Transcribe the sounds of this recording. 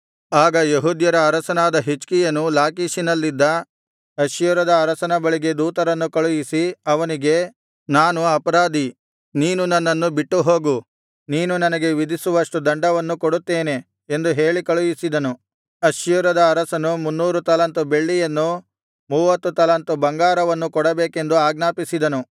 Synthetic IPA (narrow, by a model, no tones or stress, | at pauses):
aːɡɐjeɦud̪jɐɾɐːɾɐsɐnaːd̪ɐɦit͡ʃkijɐnulaːkiːʃinɐlːid̪ːɐ | ɐjuɾɐd̪ɐːɾɐsɐnɐbɐɭiɡe̞d̪uːt̪ɐɾɐnːukɐɭujisiɐʋɐniɡe̞ | naːnuɐpɐɾaːd̪i | niːnunɐnːɐnːubiʈːuɦo̞ːɡu | niːnunɐnɐɡe̞ʋid̪ʱisuʋɐʂʈud̪ɐɳɖɐʋɐnːukoɽut̪ːe̞ːne̞ | end̪uɦe̞ːɭikɐɭujisid̪ɐnu | ɐʃjuɾɐd̪ɐːɾɐsɐnumunːuːɾut̪ɐlɐnt̪ube̞ɭːijɐnːu | muːʋɐt̪ːut̪ɐlɐnt̪ubɐŋɡaːɾɐʋɐnːukɔɽɐbeːke̞nd̪uaːɡnaːpisid̪ɐnu